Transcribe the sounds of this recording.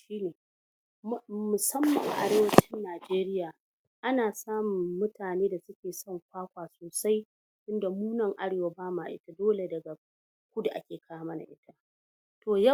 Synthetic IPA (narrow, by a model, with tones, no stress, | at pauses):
ʃiː˦neː˨˦ | mʊ˨sɐ˦mːɐ˨ŋʔa̰˨ɽeː˦wɐ˦t͡ʃɪ˦nːaː˨d͡ʒeː˦ɾɪ˦jaː˨ | ʔa˦naː˨saː˦mʊ˨ŋːʊ˦tʰaː˨neː˦da˨sʊ˦kʲeː˨sɔ˦˨ŋkʷaː˦kʷaː˨soː˨sa˦j | ʔɪ˦nda˨muː˦nɐ˨ŋʔa˦ɽeː˨wa˦baː˦maː˨ʔɪ̰˦ta˨doː˦le˨dɐ˨ɡa˨ | kʷʊ˦da˨ʔa̰˦kʲeː˨kʰaː˦a˦˨mɐ˦na̰˨ʔɪ˦tʰa˦ | toː˨jɐ˦